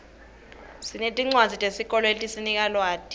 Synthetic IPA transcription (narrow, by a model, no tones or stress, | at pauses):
sinetʼiŋ͡ǀwazʱitʼesik̬ʼɔlɔeltʼisinik̬ʼalwaːtʰʼi̥